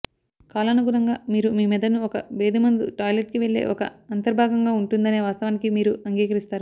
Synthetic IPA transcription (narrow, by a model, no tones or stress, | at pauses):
kaːlanuɡuɾɐŋɡaːmiːɾumiːmiːd̪ɐnuɔkɐbeːd̪imɐnd̪uʈaːjleʈ̚kiʋe̞ɭːe̞̰ːʔɔkɐɐnt̪ɐɾbʱaːɡɐŋɡaːuɳʈund̪ɐneːʋaːst̪ɐʋaːnikimiːɾuɐŋɡiːkɐɾist̪aːɾu